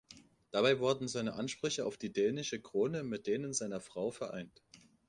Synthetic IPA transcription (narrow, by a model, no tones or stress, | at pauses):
d̥abaɪvʊɐdn̩zaɪnəʔanʃpʁ̥ʏçəa̰ʊfd̥iːdɛːnɪʃəkʁ̥oːnəmɪt̚d̥eːnənzaɪnɐfʁ̥aʊfɛɐʔa̰ɪnt